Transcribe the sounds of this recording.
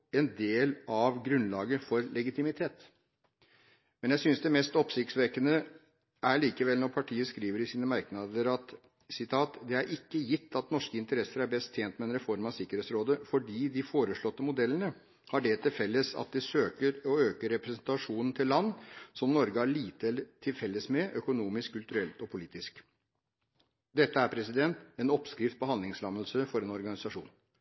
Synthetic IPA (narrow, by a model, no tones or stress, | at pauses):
ɛnd̪eːlɑʋɡɾʉnlɑːɡəfɔɾlɛɡɪt̪ɪmɪt̪ʰeːt̪ | mɛnjæsʏnsd̪ɛmɛst̪ɔpsɪkt̪sʋɛkənə | ʔæɭiːkəʋɛlnɔɾpʰɑʈʰiːəskɾiːʋəɾɪsiːnəmæɾknɑd̪əɾɑt̪ | sɪt̪ʰɑːt̪d̪ɛæɾʔɪkːəjɪt̪ːɑt̪nɔʂkəɪnt̪əɾɛsəɾæɾbɛst̪ʰjeːnt̪mɛɛnɾɛfɔɾmɑsɪkːəɾeːt̪sɾoːd̪əfɔɖiːd̪ɪfoːɾəʂɭɔt̪ːəmʊd̪ɛlːənə | hɑɖɛt̪ʰɪlfɛlːəsɑ̰t̪̚d̪ɛsøːkəɾɔøːkəɾɛpɾɛsn̩t̪ɑʂuːnn̩t̪ʰɪllːɑnːsɔmnɔɾɡəæɭiːt̪əɛlːət̪ʰɪlfɛlːəsmɛʔœkʊnuːmɪskʰːʉlt̪ʉɾɛlt̪ɔpʰʊliːt̪ɪsk | d̪ɛt̪ːəæɾpʰɾɛsɪd̪ɛnt̪ɛnɔpskɾɪft̪̚bəhɑnd̪lɪŋslɑməlsəfɔɾɛnɔɾɡɑnɪsɑʂṵːn